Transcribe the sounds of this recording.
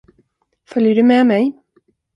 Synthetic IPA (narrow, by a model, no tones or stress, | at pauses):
fœljəɖɵmɛmɛj